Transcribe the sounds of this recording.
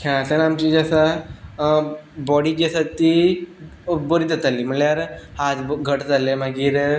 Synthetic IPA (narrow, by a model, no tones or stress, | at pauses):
kãt̪anamt͡ɕid͡ʑasa | bɔɽid͡ʑasat̪i | boɾit̪at̪alːim̤əɳljaɾhat̪ɡʱəʈd͡z̪alemaɡiːɾ